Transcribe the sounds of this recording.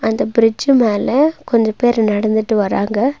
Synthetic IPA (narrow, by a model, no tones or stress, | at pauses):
ɐnd̪ɐbɪɾɪd͡ʒɯmeːlɐkɔɲd͡ʒɐpeːɾnɐɽɐnd̪ɯʈːɯʋɐɾaːŋɡɐ